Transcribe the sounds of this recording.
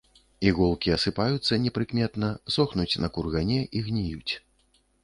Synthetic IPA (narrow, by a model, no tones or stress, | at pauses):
iɣulˠkʲiɐsɨpajut̪sːɐnʲɛpɾɨkmʲɛt̪nɐsɔxnut͡sʲnɐkurɣanʲɛʔiɣnʲijut͡sʲ